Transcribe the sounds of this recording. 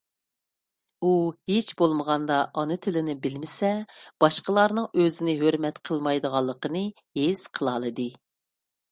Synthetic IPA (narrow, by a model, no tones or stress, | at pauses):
uhet͡ʃbolˠməʁɑnd̪ɑʔɑnɨt̪ʰɪlɪnɪbɪlmɪsɛb̥ɑʃqəlˠɑɾnɨŋøzɪnɪɦøɾmɛt̪qʰəlˠmɑjd̪əʁɑlˠːəqənɨ | hez̥qʰəlˠɑlˠɨd̪ɨ